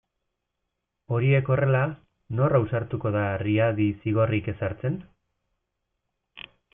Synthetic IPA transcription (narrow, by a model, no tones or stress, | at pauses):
o̞ɾie̞ko̞re̞la | no̞rawsaɾt̪uko̞ð̞ariaðisiɣ̞o̞rike̞saɾt͡se̞n